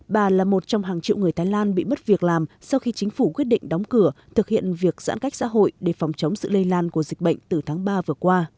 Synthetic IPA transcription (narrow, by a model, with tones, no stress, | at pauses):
ɓaː˨˩laː˨˩mo˨˩t̚t͡ɕɔ˧wŋ͡mɦaː˨˩ŋt͡ɕḭ˧˨wŋɨ˨˩əjt̪ʰaː˨˦jlaː˧nɓḭ˧˨m˦˥t̚vi˨˩ək̚laː˨˩msɔ˧wxi˧t͡ɕï˨˦ŋ̟fu˧˩kwi˦˥t̚ɗḭ˧ŋ̟ɗɔ˨˦wŋ͡mkɨ˧˩ət̪ʰɨ˨˩k̚hḭ˧˨ənvi˨˩ək̚za̰ː˧˥nka˦˥jk̟̚sa̰ː˧˥ɦo̰˧˨jɗe˧˩fɔ˨˩wŋ͡mt͡ɕə˨˦wŋ͡msɨ̰˧˨lə˧jlaː˧nku˧˩əzï˨˩k̚ɓə̰˧˨jŋ̟t̪ɨ˨˩t̪ʰaː˨˦ŋɓaː˧vɨ˨˩əkwaː˧